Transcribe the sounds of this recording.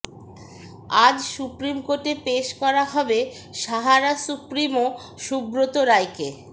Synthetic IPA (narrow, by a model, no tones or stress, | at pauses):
ad͡ʑsupɾimkoʈepeʃkɔɾaɦɔbe | ʃaɦaɾasupɾimo | ʃubɾot̪oɾajke